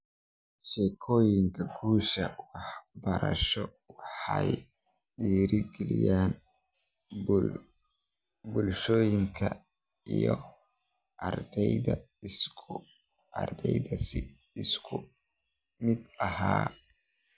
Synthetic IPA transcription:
ʃɛkʰɔːjɪŋkʰɐɡuːʃɐwɑħbɐɾɐ̰ʃɔ | wɑħɑj | ɗiːɾɪɡɛlɪ̰jaːn | bʊlʃɔːjɪŋkʰɐ̰ | ijɔ | ʔɐrd̪ɛjðɐ | ʔɐ̰rd̪ɛjðɐs | ɪskʰʊ | mɪd̪ɐhaː

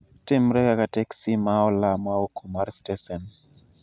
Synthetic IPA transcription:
tɪmɾɛkakatɛksimaɔlamaokʰumaɾstɛsɛn

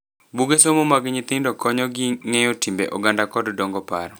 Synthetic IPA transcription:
buɡesomomaɡɲɪt̪ɪndɔkɔɲɔɡɪŋejɔtimbḛʔɔɡandakɔddɔŋɡɔpa̰ɾɔ

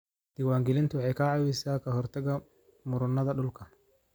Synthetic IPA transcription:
d̪̥iwaːŋɡɛlɪnt̪ʰʊwɑħɑjkʰɐʕɑwɛsaːkʰɐɦɔrt̪ʰɐɣɐ | mʊɾʊnɐðɐɖʊlkʰɐ

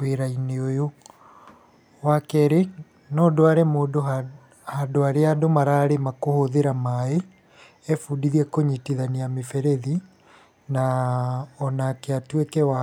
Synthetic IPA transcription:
weɾaineojo | wakɛɾe | nɔːdoaɾemoːdo | hadoaɾeadomaɾaɾemakohoðeɾamae | ɛfuːdiðiɛkoɲitiðaneamefɛɾɛði | na | ɔnakeatwekɛwa

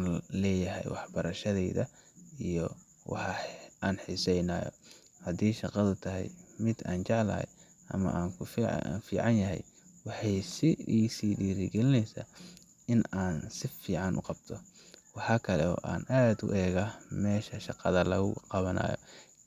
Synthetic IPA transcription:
nlɛːjɐɦɛ̰jwɑħbɐɾɐʃɐðɛjðɐ | ijɔ | wɑ̰ħɑʔaːnħɪsɛjnaːjɔ̰ | hɐd̪iːʃɑqɑðʊt̪ʰɐɦɛ̰jmɪd̪aːnt͡ʃɑʕlɐ̰ːɛ̰j | ʔɐ̰mɐ̰ʔaːŋkʰʊffiːʕɑnjɐɦɛ̰j | wɑħɑjsɪiːsiːɖiːɾɪɡɛlɪnɛjsa̰ː | ʔɪnaːnsɪfiːʕɑnʔʊ̰qɑb̚t̪ʰɔ | wɑħɑːkʰɐlɛɔ̰ːʔaːnʔaːd̪ʊ̰ʔɛːɣamɛːʃɐʃɑqɑðɐlɐɣʊqɑβɐna̰ːjɔ̰

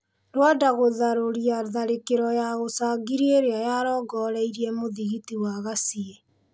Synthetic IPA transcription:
ɾwadaɣoðaɾoɾiaðaɾekeɾɔjaɣosaːɡiɾieɾeajaɾɔːɡɔːɾɛiɾiemoðiɣitiwaɣasie

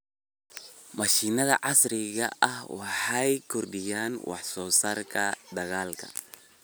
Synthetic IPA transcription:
mɐʃiːnɐðɐʕɑsrɪɣɐ̰ʔɐhwɑħɑjkʰʊrɖɪjaːnwɑ̰ħsɔːsaːrkʰɐd̪ɐɣaːlkʰɐ̰

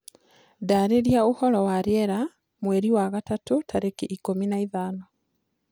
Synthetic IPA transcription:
daɾeɾjauholowaɾjeɾa | mweɾiwaɣatatutʰaɾekiʔikominaiðaːno

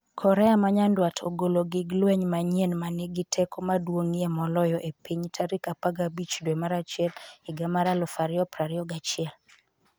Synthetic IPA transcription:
kʰɔɾɛamaɲandwatʰo̰ɡoloɡɪɡlwɛɲmaɲenmanɪɡɪtʰɛkɔmadwoŋiemɔlɔjɔʔepiɲtʰaɾikapaɡabit͡ʃdwemaɾat͡ʃɪɛlɪɡamaɾalɔfaɾɪɔpɾaɾɪɔɡat͡ʃɪɛl

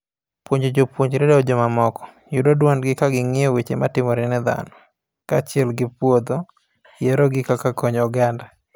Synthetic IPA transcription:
pwoɲd͡ʒod͡ʒopwoɲd͡ʒɾedad͡ʒomamɔkɔ̥ | judɔdwanɡɪkaɡɪŋɪɔwet͡ʃematɪmɔɾɪnɛd̪a̰nɔ | kat͡ʃɪɛlɡɪpwod̪o | jɛɾɔɡɪkakakɔɲɔɡanda

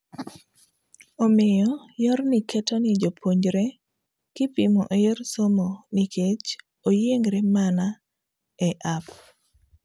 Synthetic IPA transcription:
omɪjɔjɔrnɪketonɪd͡ʒopʰoɲd͡ʒɾe | kɪpimoʔojersomonikʰet͡ʃ | ojeŋɡɾemana | ɛʔap

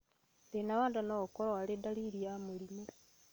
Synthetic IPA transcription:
denaβaːndanokoɾoalidaliɾjamulime

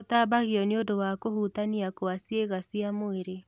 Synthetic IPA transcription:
otabaɣiɔneodowakohutaniakoasieɣasiamoeɾe

